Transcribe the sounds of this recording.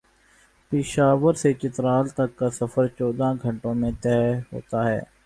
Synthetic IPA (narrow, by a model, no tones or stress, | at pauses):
pɪʃaːʋəɾset͡ʃɪt̪ɾaːlt̪ɐkːasəfəɾt͡ʃɔːd̪ãːɡʱə̃ɳʈõːmẽt̪ɛːɦo̰ːt̪aɦɛ̰ː